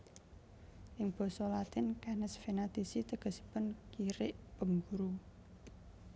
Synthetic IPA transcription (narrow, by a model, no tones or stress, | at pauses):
ʔɪŋb̥ɔ̤sɔlat̪ɪnkanəsfenat̪isit̪əɡ̥ə̤si̥pənkiɾɪʔb̥ə̤ŋɡuɾu